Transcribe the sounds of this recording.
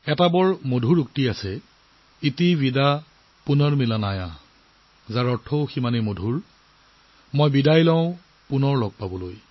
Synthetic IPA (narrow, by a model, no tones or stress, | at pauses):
ɛtabɔɹmodʱuɹuk̚tiasɛ | itivida | punɔɹmilanaja | zaɹɔtʰoʊximanɛmodʱuɹ | mɔjbidajlɔʊ̃ | punɔɹlɔɡ̚pabɔloj